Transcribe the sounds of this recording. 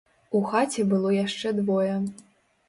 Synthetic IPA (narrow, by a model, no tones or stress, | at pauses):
uxat͡sʲɛbɨlˠɔjaʂt͡ʂɛd̪vɔjɛ